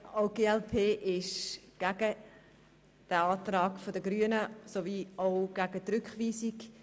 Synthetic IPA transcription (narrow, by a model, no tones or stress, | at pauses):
oʊɡeːɛlpʰeːʔɪʃɡ̥æɡ̥ə | d̥əɑːtrɑːɡfodəɡɾyənəsoviːoʊɡ̥æɡ̥ətɾʏkχʋiːsik